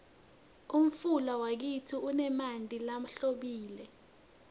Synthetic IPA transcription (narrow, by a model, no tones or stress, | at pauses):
um̩fulawak̬itʰiunɛmantʼilam̩ɬoɓiːlɛ